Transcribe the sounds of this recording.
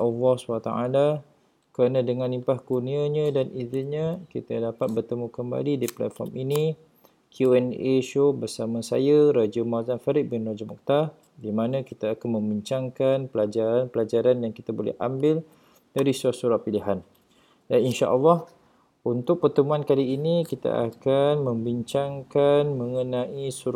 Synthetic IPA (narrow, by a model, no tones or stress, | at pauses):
ʔɔlːɔhswat̪aa̰la | kəɾanãdəŋãnlimpahkuniaɲə̃daniziɲə̃kit̪adapat̪̚bərt̪əmũkəmba̰lidipla̰t̪̚fɔ̰rmini | kʰjuɛneʃobərsamãsa̰jəɾad͡ʒəmazanfaɾɪʔ̚bɪnrad͡ʒamɔ̰k̚t̪a | dimãnãkit̪aːkanmə̃mbiɲt͡ʃaŋkanpəlad͡ʒaɾanpəlad͡ʒaɾanjaŋki̥t̪abolɛ̰ha̰mbɪl | d̥aɾisuɾahsuɾapiliɦan | daninʃa̰ʔɔlːɑh | unt̪ʊk̚pərt̪əmuankaliːnikit̪a̰ʔa̰kanmə̃mbiɲt͡ʃaŋkanmə̃ŋənãʔisuɾ